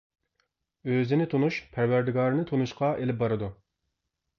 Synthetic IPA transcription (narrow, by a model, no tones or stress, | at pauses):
øzɪnɪt̪ʰonuʃpʰæɾwæɾd̪ɪɡɑːɾɨnɨt̪ʰonuʃqɑʔelɪp̚bɑɾɨd̪u